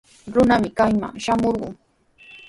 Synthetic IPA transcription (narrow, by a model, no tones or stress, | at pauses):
ɾʊnamɪkajma̰ŋʃamoɾɢʊ̰ŋ